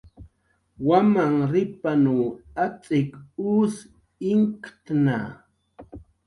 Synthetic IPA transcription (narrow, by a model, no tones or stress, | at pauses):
wamaŋɾɪpanuːat͡sʼɪkuːs | ɪŋkt̪na̰